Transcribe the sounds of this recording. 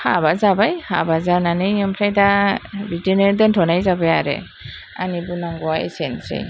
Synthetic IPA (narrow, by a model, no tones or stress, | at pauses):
habazabajha̰bazananɯjɯmpʰɾajdabitineɾdɯntʰɔnajzabajaɾḛ | a̰nibɯnaŋɡɔwaḛsensḛj